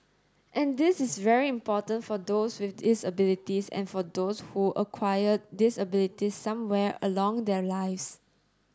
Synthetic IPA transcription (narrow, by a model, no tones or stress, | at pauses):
ʔɛ̃ndɪsɪsvɛɹiĩmpɔtə̃ntfɔdoswɪfdisəbilitisɛ̰̃nfɔdoshuʔəkʰwajəd̚disəbɪlitisãmwɛɹə̰lɔ̃ŋdɛlaɪfs